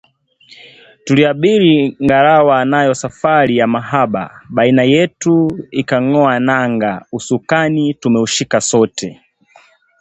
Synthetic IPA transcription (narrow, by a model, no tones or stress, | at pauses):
tuliaɓiɾiŋɡaɾawanajɔsafaɾijamaɦaɓa̰ɓainajɛtuikaŋɔanaŋɡausukanitumɛuʃikasɔtʰɛ